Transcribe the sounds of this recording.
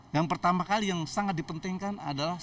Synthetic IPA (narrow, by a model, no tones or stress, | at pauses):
jaŋpərt̪amakalijaŋsaŋat̪̚dipənt̪ɪŋkana̰dala